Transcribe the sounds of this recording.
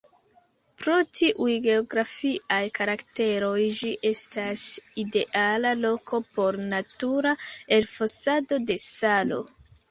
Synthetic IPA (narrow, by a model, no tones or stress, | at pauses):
pɾo̞tiʔujɡe̞oɡɾafiajkaɾakte̞ɾo̞jd͡ʒiʔe̞staside̞ʔalalo̞kʰo̞po̞ɾnatuɾae̞lfosado̞de̞salo̞̰